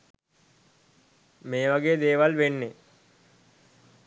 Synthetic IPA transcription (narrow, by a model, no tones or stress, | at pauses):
meːʋaɡeːd̪eːʋalʋenːe